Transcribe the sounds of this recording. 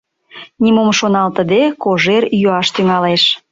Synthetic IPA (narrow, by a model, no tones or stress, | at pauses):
nʲimomʃonɑlt̪ə̆d̪ekoʒerjuɑʃt̪yŋɑleʃ